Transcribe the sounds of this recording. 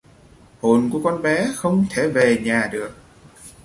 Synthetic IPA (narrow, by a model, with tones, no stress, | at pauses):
ho˨˩nku˧˩əkɔ˧nɓɛ˨˦xə˧wŋ͡mt̪ʰe˧˩ve˨˩ɲaː˨˩ɗɨ˨˩ək̚